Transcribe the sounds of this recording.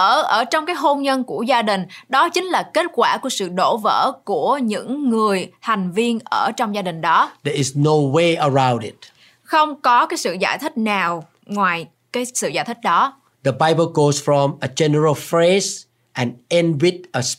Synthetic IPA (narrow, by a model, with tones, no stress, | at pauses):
ʔəː˧˩ʔəː˧˩t͡ɕɔ˧wŋ͡mkaː˨˦jɦo˧nɲə˧nku˧˩əzaː˧ɗï˨˩ŋ̟ɗɔ˨˦t͡ɕï˨˦ŋ̟laː˨˩ke˦˥t̚kwaː˧˩ku˧˩əsɨ̰˧˨ɗo˧˩və̰ː˧˥ku˧˩əɲɨ̰˧˥ŋːɨ˨˩əjha˨˩jŋ̟vi˧ənʔəː˧˩t͡ɕɔ˧wŋ͡mzaː˧ɗï˨˩ŋ̟ɗɔ˨˦d̪ɛɪznoweəɹãw̃ndɪt̚ | xə˧wŋ͡mkɔ˨˦kaː˨˦jsɨ̰˧˨zaː˧˩jt̪ʰï˦˥k̚naː˨˩w | ŋwaː˨˩j | kaː˨˦jsɨ̰˧˨zaː˧˩jt̪ʰï˦˥k̟̚ɗɔ˨˦ | d̪əbaɪbəlɡosfɹɔ̃məd͡ʒɛnəɹəlfɹez | ʔɛ̃nɛ̃nwit̚əs